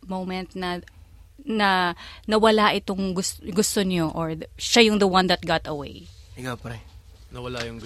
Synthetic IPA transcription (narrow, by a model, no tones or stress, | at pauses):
mowmɛnt̪̚nɐ | nɐnɐwɐlaʔɪt̪oŋɡʊsɡʊst̪oɲoʔoɹʃajʊŋd̪ɐwɐnd̪ɐt̪̚ɡat̪ɐwḛjʔɪŋapɐɾɛ | nɐwɐlajʊŋ